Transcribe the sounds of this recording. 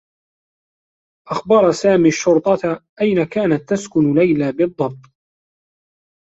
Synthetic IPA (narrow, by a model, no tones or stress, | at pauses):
ʔaxbɑɾˤsaːmiːʃːʊɾt̪ˤɑt̪ʔajnakaːnat̪ːaskʊnlajlabɨd̪ˤːɑb̚t̪ˤ